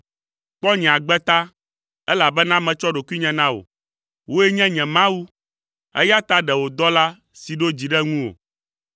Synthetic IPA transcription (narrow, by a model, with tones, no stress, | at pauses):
k͡pɔ˦ɲɛ̃˨a˨ɡ͡bɛ˦t̪a˦ | ɛ˦la˨bɛ˦nã˦mɛ̃˨t͡ʃɔ˦ɖo˨ku˦i˦ɲɛ̃˨nã˦wo̰˨ | wo˦ɛ˦ɲɛ̃˦ɲɛ̃˨mã˦wu˦ | ɛ̰˦ja˦t̪a˦ɖɛ˨wo˨d̪ɔ˦la˦ | si˨ɖo˦d͡ʑi˨ɖɛ˦ŋũ˦wo̰˨